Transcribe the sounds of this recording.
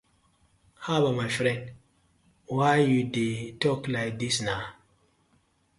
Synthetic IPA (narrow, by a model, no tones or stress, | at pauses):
habamajfɾɛ̃nd | wajjudetɔklaɪk̚d̪isna